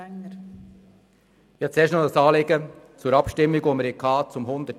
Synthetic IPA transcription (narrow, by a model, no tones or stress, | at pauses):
jɛt͡seːʃnodɑsɑːleɡə | t͡suːɾɑpʃtɪmːɪɡomɾɛkʰɑːt͡sʊmɦʊnd̪ə